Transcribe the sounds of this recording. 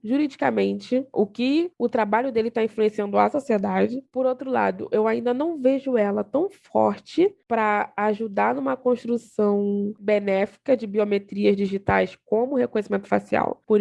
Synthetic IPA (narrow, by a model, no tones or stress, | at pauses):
ʒuɾid͡ʒikɐmẽnt͡ʃɪʊkɪʊt̪ɾabaʎʊd̪elɪt̪aĩfluẽsiɐ̃nd̪ʊa̰sosied̪ad͡ʒɪpoɾowt̪ɾʊla̰d̪ʊ̰ʔewaĩnd̪ɐnɐ̃w̃veʒʊɛlɐt̪ɐ̃w̃fɔ̰ɾt͡ʃɪpɾɐaʒud̪aɾnũmɐkõʃt̪ɾusɐ̃w̃benɛfi̥kɐd͡ʒɪbiomet̪ɾiɐzd͡ʒiʒit̪ajskõmʊhekõɲesimẽnt̪ʊfa̰sia̰wpoɾ